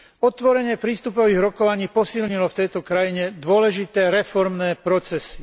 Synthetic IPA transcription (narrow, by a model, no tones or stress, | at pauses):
ɔt̪ʋɔɾɛɲɪɛpɾiːst̪upɔʋiːɣɾɔkɔʋaɲiːpɔsilɲilɔft̪ɛjt̪ɔkɾajiɲɛd̪ʊɔlɛʒit̪ɛːɾɛfɔɾmnɛːpɾɔt͡sɛsi̥